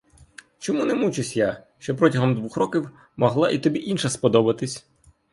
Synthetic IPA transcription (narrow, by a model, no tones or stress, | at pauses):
t͡ʃɔmunɛmut͡ʃɪsʲja | ʃt͡ʃɔpɾɔtʲɐɦɔmd̪ʋuxrɔkʲiw | mɔɦlˠɑʔit̪ɔbʲiʔinʃɐspɔd̪ɔbɐt̪ɪsʲ